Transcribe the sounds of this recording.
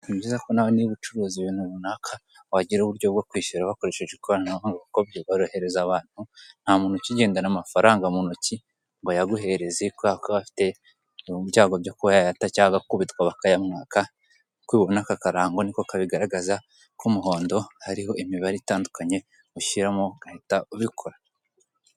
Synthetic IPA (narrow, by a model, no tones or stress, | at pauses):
iβɟiːzako̞nawoniβut͡ʃuɾuːziβiːn̥uβunakʰa | waɟiɾuβuɾɟjobɡakwiːʃuɾaβako̞ɾe̞ʃe̞ʒekoβanaaŋɡaβakobɟeβaɾahe̞ɾe̞zaβaːn̥hun̥hamuːn̥ociɟe̞ːndanamafaɾaːŋɡamunoci | ŋɡojaɡuɦe̞ɾe̞zikakaβafi̥te̞ | βɟaːɡobɟokuajajatacaːɡakuβitwaβakajamŋaːka | kwiːβo̞nakakaɾaːŋɡo̞nikokaβiɡaɾaɡaza | kumuɦo̞ːndo̞haɾiho̞ʔimiβaɾitaːndukaɲe̞ | uʃiɾamo̞ɡ̥ahitauβikʰoɾa